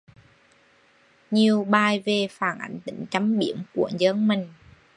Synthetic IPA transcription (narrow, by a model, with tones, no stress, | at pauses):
ɲi˨˩əwɓaː˨˩jve˨˩faː˧˩nʔa̰˧˥jŋ̟t̪ï˧˥˦ŋ̟t͡ɕa˧˥mɓi˧˥əmkṵ˧˩əŋzə˧˥nmï˨˩ŋ̟